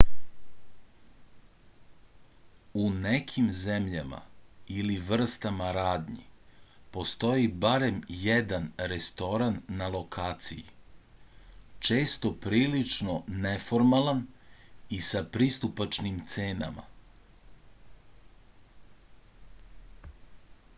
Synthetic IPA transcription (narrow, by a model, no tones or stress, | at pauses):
unekʰimzemʎama̰iliʋr̩st̪amaɾaːd̪ɲipo̞st̪o̞jibaɾe̞mjed̪anɾest̪o̞ɾanːalˠo̞kʰaːt̪sijḭ | t͡ʃe̞ːst̪o̞pɾiːlit͡ʂnonefoɾmalan | isapɾist̪upat͡ʃnimt̪seːna̰ma̰